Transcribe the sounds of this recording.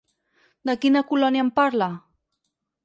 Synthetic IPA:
d̪əkinakulɔnjampaɾla

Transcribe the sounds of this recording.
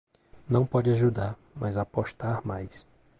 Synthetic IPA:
nɐ̃w̃pɔd͡ʒɪaʒud̪aɾ | mɐzapoʃt̪aɾmajs

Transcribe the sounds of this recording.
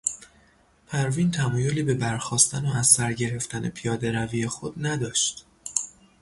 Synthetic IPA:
pʰæɾviːnt̪ʰæmɒːjo̞liːbe̞bæɾxɒːst̪ʰænoæzsæɾɟe̞ɾe̞ft̪ʰæne̞̰pʰijɒːd̪e̞ɾæviːjexod̪næd̪ɒːʃt̪

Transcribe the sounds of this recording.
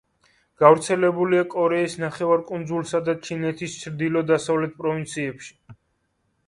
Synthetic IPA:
ɡ̥avɾt̪sʰɛlɛbuliakʼɔɾɛisnaχɛvaɾkʼund̪zulˠsad̪at͡ʃʰinɛt̪ʰist͡ʃʰɾd̪ilɔd̪asavlɛt̪̚pʼɾɔvint̪sʰiɛpʃi̥

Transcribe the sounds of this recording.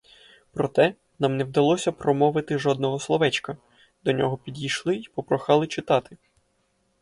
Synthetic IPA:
pɾɔt̪ɛ | nɑmnɛwd̪ɐlˠɔsʲɐpɾɔmɔʋɪt̪ɪʒɔd̪̚nɔɦɔslˠɔʋɛt͡ʃkɐ | d̪ɔnʲɔɦɔpʲidʲijʃlˠɪipɔpɾɔxɑlˠɪt͡ʃɪt̪ɑt̪ɪ

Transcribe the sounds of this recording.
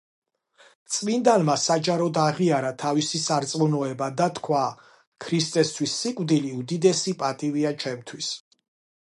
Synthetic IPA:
t̪sʼvind̪anmasad͡ʒaɾɔd̪aʁiaɾat̪ʰavisisaɾt̪sʼmunɔɛbad̪at̪ʰkʰwaː | kʰɾist̪ʼɛst̪ʰwisːikʼvd̪iliud̪id̪ɛsipʼat̪ʼiviat͡ʃʰɛmt̪ʰwis

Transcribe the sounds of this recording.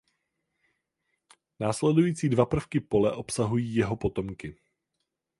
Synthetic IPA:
naːslɛdujiːt͡siːdvapr̩fkɪpo̞lɛʔo̞psaɦujiːjɛɦo̞po̞t̪o̞mkɪ

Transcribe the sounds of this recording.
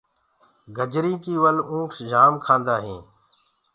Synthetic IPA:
ɡʱəd͡ʒɾiːkiːʋəlũːksd͡ʒaːmkʰãːnd̪aːɦẽː

